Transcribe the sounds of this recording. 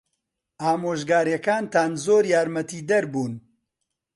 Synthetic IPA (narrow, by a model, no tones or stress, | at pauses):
aːmoːʒɡaːɾjɛkaːnt̪aːnzoːɾjaːɾmɐt̪iːd̪ɐɾbuːn